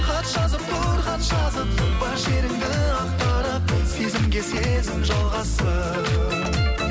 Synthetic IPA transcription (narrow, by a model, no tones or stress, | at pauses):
qʰɑt̪ʃɑzəp̚t̪ʰʊɾqʰɑt̪ʃɑzəp̚bɑɾʃeɾɪŋd̪ɪɑq̚t̪ɑɾɑq̚se̞zɪmɡʲe̞se̞zɪmʒɑlˠʁɑsə